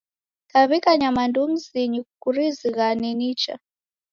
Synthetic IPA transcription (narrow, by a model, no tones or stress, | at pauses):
kaβikaɲamandum̩ziɲikuɾiziɣaninit͡ʃa̰